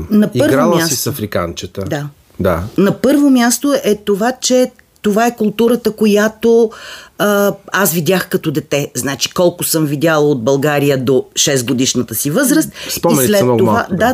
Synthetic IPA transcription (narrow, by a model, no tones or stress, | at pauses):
nɐiəɾvɡɾalˠmjsasɛsɐfɾika̰nt͡ʃət̪əd̪a | d̪a̰nɐpɤɾvomʲjast̪oʔɛt̪ovat͡ʃɛ | t̪ovaɛkʊlˠt̪uɾət̪əkojat̪o | əasvid̪ʲaxkɐt̪od̪ɛt̪ɛznat͡ʃi̥kɔlˠkʊsɤmvid̪ʲjalˠəod̪̚bɐlˠɡaɾijəd̪oʃɛsɡod̪iʃnət̪əsivɤzɾəst̪̚spɔimɛnslɛtmnɔɡ̪ovad̪a